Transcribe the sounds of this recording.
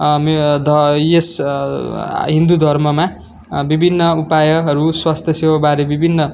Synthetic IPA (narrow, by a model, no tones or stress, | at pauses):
md̪ʱʌjes | ɦĩnd̪ud̪ʱʌrmʌma | bibʱinːʌupajʌɦʌɾuswast̪ʰjʌsewabaɾebibʱinːʌ